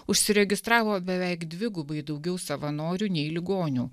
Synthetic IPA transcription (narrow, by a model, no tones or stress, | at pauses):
ʊʃʲsʲɪɾʲɛɡʲɪst̪ɾɑːʋoːbʲɛʋʲɛɪkd̪ʲʋʲɪɡʊbɐɪd̪ɒʊɡʲɛʊsɐʋɐnoːɾʲuːnʲɛɪlʲɪɡoːnʲuː